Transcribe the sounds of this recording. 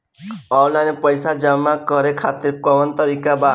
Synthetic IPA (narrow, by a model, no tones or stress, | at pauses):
ɔwlanepəjsad͡ʒamːakəɾekʰat̪iɾkɔʋənt̪əɾikaba